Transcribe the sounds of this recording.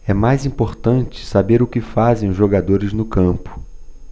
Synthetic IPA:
ɛmajzĩmpoɾt̪ɐ̃nt͡ʃɪ̥sabeɾʊkɪfazẽj̃ʊzʒoɡad̪oɾɪznʊkɐ̃mpʊ̥

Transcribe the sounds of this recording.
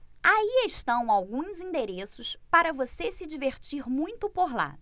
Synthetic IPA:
aieʃt̪ɐ̃w̃awɡũzĩnd̪eɾesʊspaɾɐvosesɪd͡ʒiveɾt͡ʃiɾmũj̃t̪ʊpoɾla̰

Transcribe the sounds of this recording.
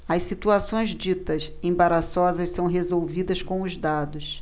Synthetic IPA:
ɐssit̪uasõj̃zd͡ʒit̪ɐs | ẽbaɾasɔzɐssɐ̃w̃ɦezowvid̪ɐskõʊzd̪ad̪ʊs

